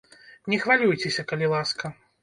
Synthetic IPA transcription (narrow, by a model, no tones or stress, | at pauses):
nʲɛxvalʲujt͡sʲesʲɐkɐlʲilˠaskɐ